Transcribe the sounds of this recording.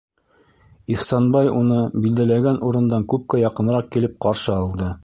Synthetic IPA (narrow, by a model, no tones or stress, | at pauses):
iχsɑnbɑjunɤbild̪ælæɡænuɾɤ̆nd̪ɑŋkʉp̚kæjɑqɤ̆nɾɑq̚kilɘp̚qɑɾʃɤɑlˠd̪ɤ